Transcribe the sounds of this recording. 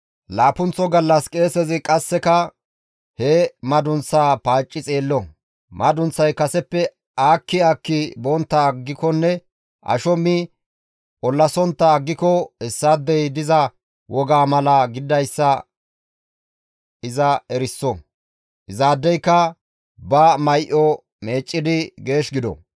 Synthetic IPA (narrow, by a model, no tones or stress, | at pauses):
laːpʊnt͡sːɔɡɐlːɐskʼe̞ːsɛzɪkʼɐsːɛkɐ | heːmɐd̪ʊnt͡sːaːpaːt͡ʃʼːɪt͡sʼe̞ːlːɔ | mʔɐd̪ʊnt͡sːɐjkɐsɛpːɛ | aːkːɪaːkːɪbɔnt̪ːɐːɡːɪkɔnːɛ | ʔɐ̰ʃɔmːɪ | ʔɔlːɐsɔnt̪ːɐːɡːɪkɔɛsːad̪ːɛjd̪ɪzɐ | wɔɡaːmɐlɐɡɪd̪ɐjsːɐ | ɪzɐɛɾɪsːɔ | ʔɪzaːd̪ːɛjkːɐ | bɐmɐjʔɔ | me̞ːt͡ʃʼːɪd̪ɪɡe̞ːʃɡɪd̪ɔ̰